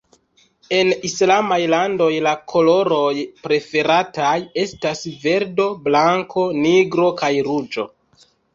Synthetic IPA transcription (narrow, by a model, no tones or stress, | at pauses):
e̞nislamajlando̞jlakʰo̞lo̞ɾo̞jpɾe̞fe̞ɾataje̞stasve̞ɾdo̞blaŋko̞niɡɾo̞kajɾud͡ʒo̞̰